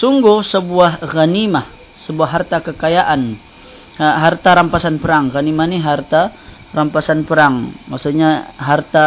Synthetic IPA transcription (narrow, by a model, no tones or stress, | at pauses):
suŋɡʊhsəbuahɣanima | səbuaɦːart̪akəkajaʔan | ɦart̪aɾampasanpəɾaŋranimaniɦart̪a | rampasanpəɾaŋmaksuɲaɦart̪a